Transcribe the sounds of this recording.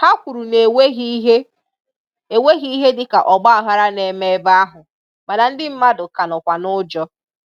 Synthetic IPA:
ha˦kʷu˨ɾu˨ne˨we˦ɦi˦ɦe˦ | e˨we˦ɣi˦ɦe˦dɪ˦ka˨ʔɔ˨ɡ͡ba˦a˨ɦa˦ɾa˦ne˨me˦ba˦ɦʊ˨ | ma˨na˨n̩˦dɪ˦m̩˦ma˦dʊ˨ka˨nɔ˨kʷa˨nʊ˦d͡ʒɔ˦

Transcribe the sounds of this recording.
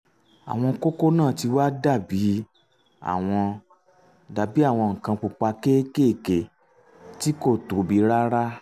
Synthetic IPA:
a̰˨w̃ɔ̃˧ko˦ko˦nãː˦˨ti˧wa˦da˦˨bi˨˦ | a̰˦˨w̃ɔ̃˧ | da˨˧bi˦a˦˨w̃ɔ̃˧ŋ̩˨kã˧k͡pu˧k͡pa˧ke˦ke˦˨ke˨ | ti˦ko˦˨to˨˦bi˨˦ɾa˦ɾa˦

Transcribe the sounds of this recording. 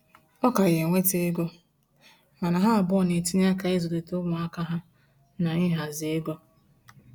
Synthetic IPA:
ɔ˦ka˨je˨ŋʷe˦te˦e˦ɡɔ˦ | ma˨na˨ɦa˦a˨bɔ˦˨ne˨ti˦n˦a˦ka˨e˦zo˨de˨to˦ɡʷʊ˨a˦ka˦ɦa˦ | na˨ɪ˦ɦa˨zɪ˨e˦ɡɔ˦

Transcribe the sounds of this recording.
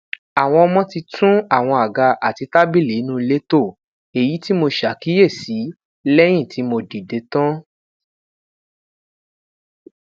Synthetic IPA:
a˨w̃ɔ̃˧ɔ˧mɔ̃˦ti˧tʰũ˦a˦˨w̃ɔ̃˧a˨ɡa˧ʔa˨ti˧ta˦bi˦˨le˨˦nũ˦˧le˦to˦˨ | e˨ji˨˦ti˦mo˧ʃa˨ki˦je˦˨si˨˦ | lɛ˦j̃ĩ˦˨ti˨˦mo˧di˨de˧˦tã˦

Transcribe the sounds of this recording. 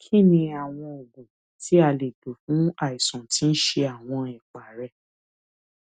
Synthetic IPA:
kʰi˦˨nĩ˧a˨w̃ɔ̃˧o˨ɡũ˨ | ti˨˦a˧le˨do˨fũ˨˦a˦˨i˨sɔ̃˨ti˨˦n̩˦ʃe˧a˨w̃ɔ̃˧ɛ˨k͡pa˨ɾɛ˧

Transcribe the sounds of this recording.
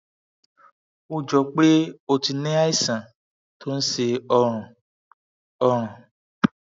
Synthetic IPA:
u˧˨d͡ʒɔ˨k͡pe˦o˧ti˧nẽ˦a˦i˦sã˨ | tʰo˦n̩˦se˧ɔ̃˧˨ | ɔ˧ɾ̃ɔ̃˨

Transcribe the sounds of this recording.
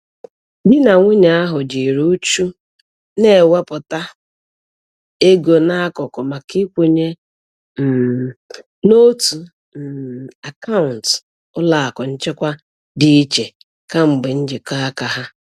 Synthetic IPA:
dɪ˦na˨ŋʷʊ˦ɲa˨a˦ɦʊ˨d͡ʒi˨ɾu˦t͡ʃu˦ | ne˦˨we˦pʊ˨ta˦ | e˦ɡo˨na˦kɔ˨kɔ˨ma˨ki˦kʷu˦ɲe˦ | m̩˨ | no˦tu˨ | n̩˨a˨ka˦ʊ˨n̩˨t | ʊ˦la˨a˨kɔ˨n̩˦t͡ʃe˦kʷa˦ | dɪ˨i˦t͡ʃe˨ | ka˦ŋ͡m̩˨ɡ͡bɪ˨n̩˦d͡ʒɪ˨ka˦a˦ka˨ɦa˦

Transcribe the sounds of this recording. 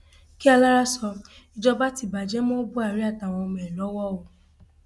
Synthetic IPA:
ki˦a˧la˦ɾa˦sɔ˧ | i˧d͡ʒɔ˧ba˦ti˨ba˨d͡ʒɛ˦mɔ̃˦bu˦a˦˨ɾi˦a˦˨ta˨w̃ɔ̃˧o˧mɛ˨lɔ˨˦wɔ˦˨o˨˧

